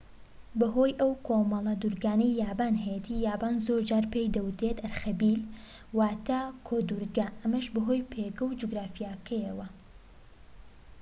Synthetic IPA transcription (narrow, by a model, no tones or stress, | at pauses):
bɐɦoːjʔɐwkʰomɐlˠɐd̪uɾɡaːnɐjːaːbaːnɦɐjet̪ʰiːjaːbaːnzoɾd͡ʒaːɾpejd̪ɐwut̪ɾe̞t̪ɐɾxɐbiːl | waːt̪ʰaːkʰoːd̪uɾɡɐʔɐmɐʃbɐɦo̞jpʰeɡɐwd͡ʒuɡɾaːfijakʰɐjɐwɐ